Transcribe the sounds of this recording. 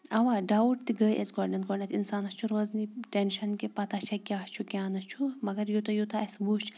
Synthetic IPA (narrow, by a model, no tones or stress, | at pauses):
ɐʋaːɖawʈt̪iɡəːjʔesɡoɾnɐnɡoɖnɐt̪insaːnɐst͡ʃʰuɾoːzniʈenʃɐnkepɐt̪at͡ʃʰɐkʲjaːht͡ʃʰukʲaːnɐt͡ʃʰumɐɡɐɾjut̪ɐjut̪ɐɐsbut͡ʃʰ